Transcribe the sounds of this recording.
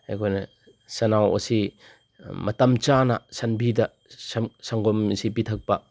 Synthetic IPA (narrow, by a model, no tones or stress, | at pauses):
ajkʰojnɐ | sɐnawɐ̰si | mɐtɐmt͡ʃanɐsɐnbidɐ | ssɐŋɡɔmsipitʰɐk̚pɐ